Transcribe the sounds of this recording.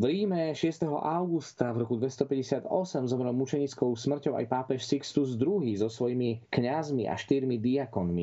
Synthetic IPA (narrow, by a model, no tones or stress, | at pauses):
vɾiːmɛʃɪɛst̪ɛɦɔ̰ʔaʊɡust̪avɾɔkud̪ʋɛst̪ɔpɛɟɛsɪad̪ɔsɛmzɔmɾɛlmut͡ʃɛɲiːt͡skɔʊsmr̩cɔʊʔa̰jpaːpɛʃsikst̪uzd̪ɾuɦiːzɔsʋɔjimikɲazmiʔa̰ʃt̪iɾmid̪iakɔnmi